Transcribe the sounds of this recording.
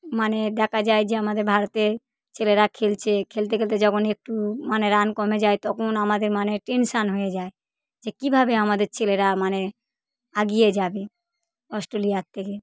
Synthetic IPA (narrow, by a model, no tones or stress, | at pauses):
maned̪ɛkʰad͡ʑaed͡ʑeamad̪eɾbʱaɾot̪eɾ | t͡ɕeleɾakʰelt͡ɕʰekʰelt̪ekelt̪ed͡ʑɔkʰonek̚ʈumaneɾankɔmed͡ʑaet̪ɔkʰonamad̪eɾmaneʈenʃanɦojed͡ʑae | d͡ʑekibʱabeamad̪eɾt͡ɕeleɾamane | aɡijed͡ʑabe | ɔsʈɾoliat̪ʰːeke